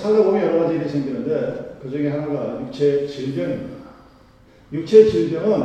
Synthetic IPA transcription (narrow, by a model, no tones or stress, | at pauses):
sʰaɡaoɡijʌɾʌɣad͡ʑiɾisʰeŋɡinɯndekɯd͡ʑʌŋɡiɦanaɡajuk̚t͡ɕʰet͡ɕiɭbjʌŋimdada | juk̚t͡ɕʰet͡ɕiɭbjʌŋɯn